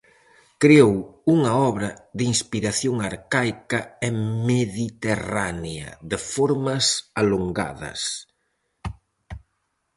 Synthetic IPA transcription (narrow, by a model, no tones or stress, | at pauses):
kɾeowuŋɐɔβɾɐðiŋspiɾaθjoŋaɾkajkɐemeðit̪eraneɐ̰ðɪfoɾmɐsaloŋɡa̰ðɐ̰s